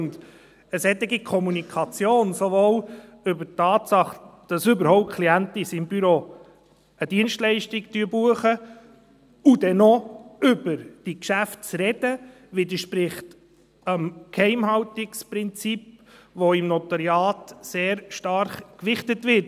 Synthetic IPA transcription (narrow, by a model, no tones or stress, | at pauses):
nd | əsɛt̪ːɪɡikʰɔmunikʰɑt͡sjoːnsovoːl | ʏbətːɑːtsɑχd̥ɑsʏbəɾhɔʊp̚t̚kʰliænt̪isɪmbyɾo | əd̥iənʃtlɛɪʃtɪɡtyːbuəχə | ud̥ɛnoʏb̥əɾd̥ikʃæftt͡sɾɛd̥ə | ʋɪdəɾʃpɾɪχt | əmkʰhɛɪmhɑwtɪkspɾɪnt͡sipʋoɪmnɔtɑɾjɑːtseːɾʃtɑɾχkʋɪχtətvɪt